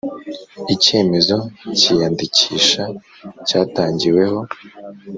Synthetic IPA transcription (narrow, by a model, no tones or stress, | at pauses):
ice̞ːme̞zo̞ciːjandiciːʃa | caːtaːɲɟiwe̞ho̞